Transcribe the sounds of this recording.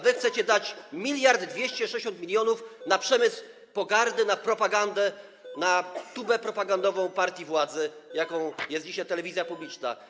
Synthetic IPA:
vɘxt̪sɛt͡ɕɛd̪at͡ɕmʲilʲjaɾd̪d̪vʲjeɕt͡ɕɛʂɛeɕɔ̃nt̪mʲilʲjɔnufnapʂɛmɘsw | pɔɡaɾd̪ɘnapɾɔpaɡand̪ɛ | nat̪ubɛpɾɔpaɡand̪ɔvɔ̃w̃paɾt̪ʲjivwad̪zɘjakɔ̃w̃jɛst̪d͡ʑiɕajt̪ɛlɛvʲizʲjapublʲit͡ʂna̰

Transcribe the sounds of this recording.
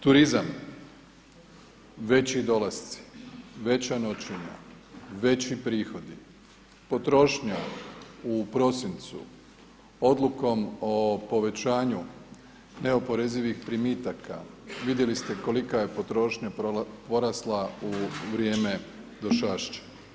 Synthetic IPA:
t̪uɾizam | ʋe̞t͡ɕid̪o̞last̪si̥ʋe̞t͡ɕano̞t͡ɕiɲa̰ | ʋe̞t͡ɕipɾiːxo̞d̪i | po̞t̪ɾo̞ʃɲaupɾo̞sint̪sṵ | o̞d̪lˠuko̞mopo̞ʋe̞t͡ɕaːɲu | ne̞o̞po̞ɾeziʋixpɾimiːt̪akʰa̰ʋid̪je̞list̪e̞ko̞likaje̞pot̪ɾo̞ʃɲappo̞ɾaslˠauʋɾje̞ːme̞ | d̪oʃaʃt͡ɕḁ

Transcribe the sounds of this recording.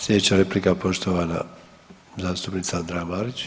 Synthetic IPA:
slʲjed̪et͡ɕaɾeplikapo̞ʃt̪oʋaːna̰ | zaːst̪upnit̪saand̪ɾamaːɾit͡ɕ

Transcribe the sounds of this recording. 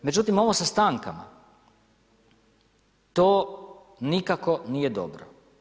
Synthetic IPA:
med͡ʒut̪imo̞ʋosast̪aːŋka̰ma̰ | t̪oː | nikako̞nijed̪o̰bɾo̰

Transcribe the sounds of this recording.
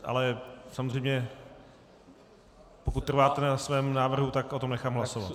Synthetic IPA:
ʔa̰lɛsamozr̝ɛjmɲɛ | pokut̪t̪ːr̩vaːt̪ɛnaasvɛːmnaːvr̩ɦut̪akʔot̪omnɛxaːmɦlasova̰t̪

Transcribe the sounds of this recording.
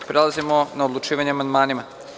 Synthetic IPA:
pɾelˠazimonaod̪lˠut͡ʃiːʋaɲeamand̪maːnima

